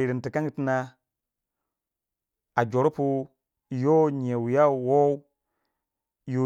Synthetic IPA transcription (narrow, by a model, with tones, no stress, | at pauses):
i˨ɾi˨n˨ti˨ka˦ŋɡi˦ti˦na˦ | a˨d͡ʒo˨ɾpu˦˨ | jo˦ɲ˨e˨wi˨ja˦˨wo˦ | jo˦